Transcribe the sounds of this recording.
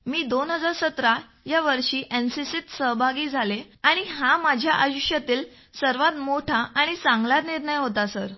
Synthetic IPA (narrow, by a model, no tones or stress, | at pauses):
miːd̪onɦəd͡zaɾsət̪ɾa | jaʋəɾʂiːʔensisit̪səɦbʱaɡiːd͡zʱale | aɽ̃iɦamad͡ʑʱjaʔajuʂjat̪iːl | səɾʋat̪moʈʰaʔaɽ̃it͡sãŋɡlaɾniɾɳəjɦot̪asəɾ